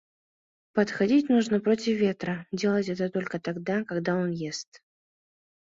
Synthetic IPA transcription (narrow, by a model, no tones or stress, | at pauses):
pət̪xɐdʲitʲnuʐnəpɾo̞tʲɪfvʲe̞t̪ɾədʲe̞lˠətʲɛt̪ət̪o̞lʲkət̪aɡd̪akɐɡd̪aonjest̪